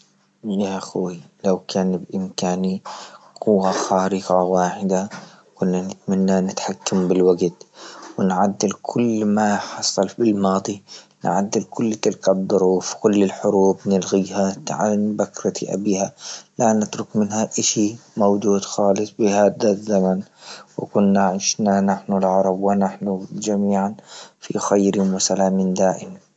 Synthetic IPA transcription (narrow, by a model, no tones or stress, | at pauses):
jaʔaxːilawkʰaːnbʔɪmkaːniqʊwːaxaːɾɪqɑwaːħɪd̪a | kʊnːanɪt̪manːanɪt̪ħakːambɪlwaɡt̪wɪnʕad̪ːɪlkʰʊlːmaħɑsˤːɑlfɪlmɑːd̪ˤi | nʕa̰d̪ːɪlkʊlːt̪ɪlkad̪ˤːʊɾuːfkʊlːɪlħʊɾuːbnɪlɣiːhat̪ʕa̰nbakɾˤɑt̪iʔa̰biːhalanɪt̪ɾʊkmɪnhaʔɪʃimowd͡ʒuːd̪xɑːlɨsˤbɪhaːd̪azːamanwɪ̰kʊnːaʕɪʃnanaħnulʕɑɾˤɑbwɪnaħnud͡ʒamiːʕanfḭxajɾɪwɪsalaːmɪnd̪aːʔɪma